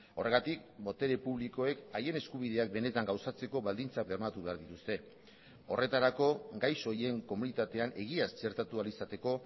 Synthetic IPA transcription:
o̞re̞ɣat̪ikbo̞t̪e̞ɾe̞puβliko̞e̞kaje̞ne̞skuβ̞iðe̞ak̚be̞ne̞t̪aŋɡawsat͡se̞ko̞βald̪int͡sak̚beɾmat̪uβe̞aɾðit̪ust̪e̞ | o̞re̞t̪aɾako̞ɡajso̞ie̞ŋko̞munit̪at̪e̞anʔe̞ɣ̞iast͡ʃe̞ɾt̪at̪ualisat̪e̞ko̞

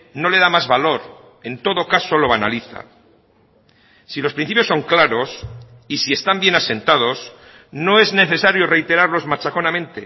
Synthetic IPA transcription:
no̞le̞ðamazβalo̞ɾ | e̞nt̪o̞ðo̞kaso̞lo̞β̞ana̰liθa̰ | silospɾinθipjosːo̞ŋklaɾo̞s | isie̞st̪ambje̞nase̞nt̪að̞o̞s | no̞e̞zne̞θe̞saɾjo̞re̞jt̪e̞ɾaɾlo̞zmat͡ʃako̞namẽ̞nt̪e

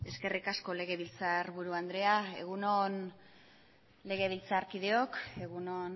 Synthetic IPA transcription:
e̞ske̞rikasko̞le̞ɣ̞e̞βilt͡saɾβuɾuand̪ɾe̞ae̞̰ɣ̞unon | le̞ɣe̞β̞ilt͡saɾkið̞e̞o̞ke̞ɣuno̞n

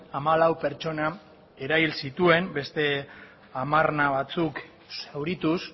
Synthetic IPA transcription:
amalawpe̞ɾt͡ʃo̞na | e̞ɾaβilsit̪ue̞mbe̞st̪e̞ | amarnaβ̞at͡suk | sewɾit̪us

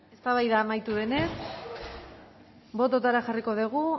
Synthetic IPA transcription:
e̞st̪aβajðaːmajt̪uðe̞ne̞s | bo̞t̪̬ot̪aɾaxariko̞ðiɣu

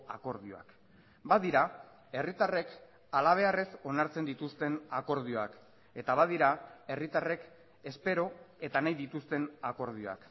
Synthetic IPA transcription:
ako̞ɾðioa̰k | baðiɾa | e̞rit̪are̞k | alaβ̞e̞are̞so̞naɾt͡se̞nd̪it̪ust̪e̞nako̞ɾð̞io̞ak | e̞t̪aβað̞iɾae̞rit̪are̞k | e̞spe̞ɾo̞e̞t̪anajðit̪ust̪e̞nako̞ɾð̞io̞a̰k

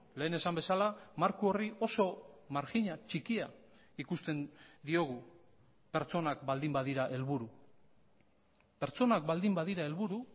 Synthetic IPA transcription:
le̞ːne̞sambe̞salamaɾkuo̞rio̞so̞maɾxiɲat͡ʃikia | ikust̪e̞nd̪io̞ɣ̞u | pe̞ɾt͡so̞nakbald̪imbaðiɾaʔe̞lβuɾu | pe̞ɾt͡so̞nakbald̪imbaðiɾae̞lβuɾu

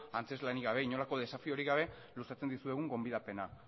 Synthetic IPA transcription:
ant͡se̞zlaniɣaβ̞e̞iɲo̞lako̞ðe̞safio̞ɾiɣaβ̞e̞ | lusat͡se̞nd̪isue̞ɣ̞uŋɡo̞mbiðape̞na

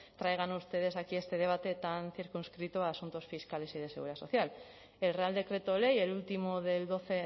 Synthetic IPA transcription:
t̪ɾajɣ̞anust̪e̞ð̞e̞sakie̞st̪e̞ð̞e̞β̞at̪e̞t̪anθiɾkunskɾit̪oaːsunt̪o̞sfiskale̞sið̞eeɣṵɾiðaso̞̰θjal | e̞lre̞ald̪e̞kɾe̞t̪ole̞jelult̪imoðe̞ld̪o̞θe

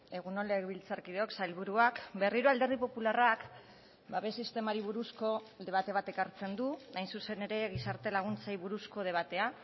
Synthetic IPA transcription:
e̞ɣunoleβilt͡saɾkið̞eo̞ksajlβuɾuakbe̞riɾoald̪e̞ɾð̞ipo̞pularak | baβe̞sist̪e̞maɾiβuɾusko̞ | ðe̞β̞at̪e̞βat̪e̞kaɾt͡se̞nd̪uajnsuse̞ne̞ɾe̞ɣisaɾt̪e̞laɣ̞unt͡sajβuɾusko̞ð̞e̞β̞at̪e̞a

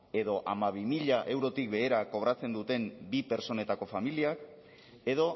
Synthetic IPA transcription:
e̞ðo̞ʔamaβ̞imiʎaʔe̞wɾo̞t̪ik̚be̞ːɾako̞β̞ɾat͡se̞nd̪ut̪e̞mbipe̞ɾso̞ne̞t̪ako̞familiak | e̞ð̞o̞

